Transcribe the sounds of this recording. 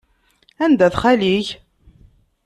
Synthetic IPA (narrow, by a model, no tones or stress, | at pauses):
ænd̪æθχæliç